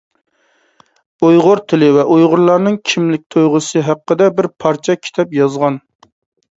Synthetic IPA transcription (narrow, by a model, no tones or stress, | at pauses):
ujʁʊɾt̪ʰɪlɪvɛʔojʁʊɾlˠɑɾnɨŋkʲʰimlɪk̚ʲt̪ʰojʁʊsɨɦæqːəd̪ɛbɪɾpʰɑɾt͡ʃʰɛkʲʰi̥t̪ʰɛpjɑzʁɑn